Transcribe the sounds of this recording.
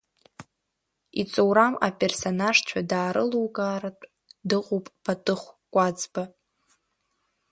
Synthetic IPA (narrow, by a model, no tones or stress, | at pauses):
it͡sʼowɾamapʼe̞rso̞naʐt͡ɕʷʰadaːɾɨluwkʼaːratʼ | dɨqʼupʼb̥ʰatʼɨχʷkʷʼad͡zba